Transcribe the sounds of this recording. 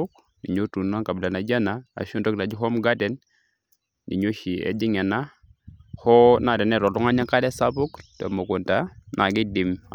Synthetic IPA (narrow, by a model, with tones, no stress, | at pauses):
ʊ˦k̚ | ni˨ɲo˦tu˨na˦ka˨bɪ˨la˨na˨d͡ʒa˦na˨a̰˨ʃu˦ndɔ˦k̚ta˨d͡ʒi˦ɦɔ˦mɡa˦dɛ˨n | nḭ˨ɲo˦ʃi˨ɛ̰˨d͡ʒi˦ŋɛ˨na˦ | hɔ˦na˨dɛ˨nɛ˦˨ɾɔ˨lɔ˦ŋa˦ɲa˦ŋka˦dɛ˦sa˦pʊ˦ktɔ˨mo˨ko˨nta˨nʔa˨ɡɪ˦di˨m